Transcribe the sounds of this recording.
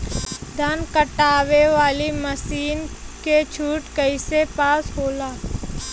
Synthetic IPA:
d̪ʱɐnkəʈaːʋeʋaːliməsiːnket͡ʃʰuːʈkəɪsepaːsɦoːlaː

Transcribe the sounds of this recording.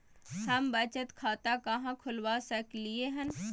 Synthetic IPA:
hɐmbət͡ʃət̪kʰaːt̪akɐɦãkʰʊlwasəklieɦən

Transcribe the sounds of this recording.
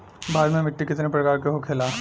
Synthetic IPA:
bʱaːd̪mẽmɪʈːikɪt̪nepɾɐkaːɾkeɦokʰeːlaː

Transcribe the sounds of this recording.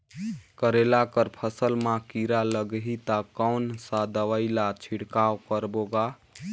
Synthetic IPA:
kəɾelakəɾpʰəsəlmãkiɾaləɡɦit̪akəwnsad̪əʋəɪlat͡ʃʰiɽkawkəɾboɡa

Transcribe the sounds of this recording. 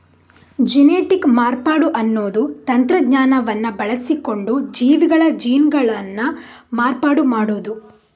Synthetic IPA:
d͡ʒineːʈikmaːɾpaːɽuʔɐnːoːd̪ut̪ɐnt̪ɾɐdɲaːnɐʋɐnːɐbɐɭɐsiko̞ɳɖud͡ʒiːʋiɡɐɭɐd͡ʒiːnɡɐɭɐnːu | maːɾpaːɽumaːɽuːd̪u

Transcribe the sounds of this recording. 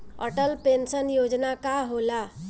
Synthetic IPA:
ə̰ʈəlpensənjod͡ʒnakaɦola

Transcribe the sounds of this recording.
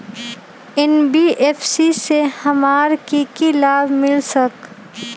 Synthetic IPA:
ɛnbiːʔeːfsisehɐmaːɾkikilaːbmɪlsək

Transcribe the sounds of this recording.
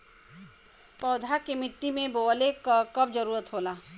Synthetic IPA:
pɔːd̪ʱakemɪʈːimẽboːlekakɐbd͡ʒəɾuːɾət̪ɦoːlaː

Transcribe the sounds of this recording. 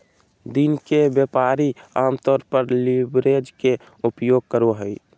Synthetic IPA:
d̪inkebjəpaɾiamt̪ɔːɾpəɾlibɾed͡ʒke | upjoːɡ̚kəɾoɦəj

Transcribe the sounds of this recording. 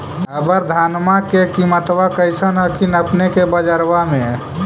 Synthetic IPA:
əbəɾd̪ʱanmakekimət̪ʋakəɪsənɦəkʰinəpnekebəd͡ʒəɾʋamẽ

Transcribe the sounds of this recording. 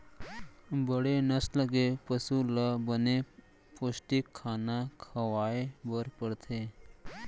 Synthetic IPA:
bəɽenəsləɡepəsuləbəne | posʈikʰːaːnakʰəʋaːebəɾpəɽt̪ʰe

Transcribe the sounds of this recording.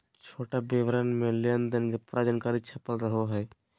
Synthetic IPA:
t͡ʃʰoːʈabeʋɾənmẽleənd̪ənɡepɾad͡ʒankaːɾit͡ʃʰɐpəlɾəɦoɦɛ

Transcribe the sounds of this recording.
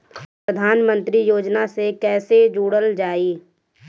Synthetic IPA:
pɾəd̪ʱaːnmə̃nt̪ɾijoːd͡ʒnasekɛːsed͡ʒuːɽəld͡ʒaːiː

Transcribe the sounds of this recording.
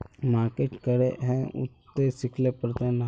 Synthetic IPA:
maːɾkeʈkəɾeɦɛ̃ʊ̰t̪ːesɪkʰlepəɾt̪ẽna

